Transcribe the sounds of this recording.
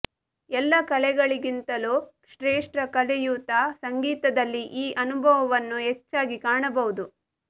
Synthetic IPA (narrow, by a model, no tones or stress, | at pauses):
ɛlːɐkɐlɛɡɐɭiɡint̪ɐlu | ʂɾeːʂʈɾɐkɐlɛjuːt̪asɐŋɡiːt̪ɐd̪ɐlːiʔiːʔɐnubʱɐʋɐʋɐnːuɦet͡ʃːaːɡikaːɳɐbɐʋud̪u